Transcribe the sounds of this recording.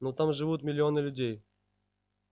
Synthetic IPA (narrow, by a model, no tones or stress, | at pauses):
nut̪amʐɨvut̪mʲɪlʲɪo̞nɨlʲʊdʲej